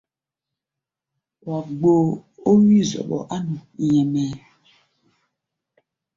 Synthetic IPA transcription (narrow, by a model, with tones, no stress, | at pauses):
wa˨ɡ͡bo˦o˦wi˦zɔ̰˨ɓɔ̰˨ʔa˦nu˨jɛ˨mɛ˨